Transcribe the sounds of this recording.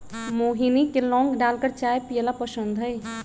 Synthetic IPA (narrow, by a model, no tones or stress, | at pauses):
moːɦinikelɔ̃ːŋɡɖaːlkəɾt͡ʃaːjpijəlapəsə̃nd̪ʱəj